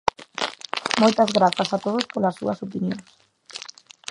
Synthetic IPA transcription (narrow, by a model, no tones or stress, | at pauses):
mojt̪ɐzɣɾaθɐsat̪oð̞ospolɐsːṵɐsopinjoŋs